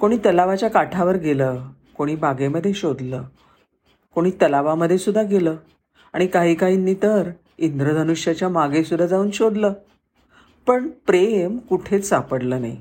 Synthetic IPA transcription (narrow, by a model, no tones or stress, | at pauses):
koɽ̃iːt̪əlaʋat͡ɕjakaʈʰaʋəɾɡʱeləː | koɽ̃iːbaɡeməd̪ʱːjeɕod̪ləː | koɽ̃iːt̪əlaʋaməd̪ʱːjesud̪ʱːaɡeləː | aɽ̃ikaɦiːkaɦiːnːit̪əɾ | ind̪ɾəd̪ʱənuʂjat͡ɕjamaɡesud̪ʱːad͡zauːnɕod̪ləː | pəɳpɾemkuʈʰet͡ssapəɽləːnaḭ